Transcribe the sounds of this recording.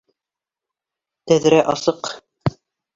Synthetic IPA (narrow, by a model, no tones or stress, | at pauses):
t̪æðɾæʔɑsɤq